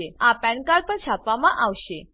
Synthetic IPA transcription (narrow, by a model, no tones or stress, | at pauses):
eapɛ̃ɳkaɭpəɳt͡ɕʰapʋamãʔaʋɕe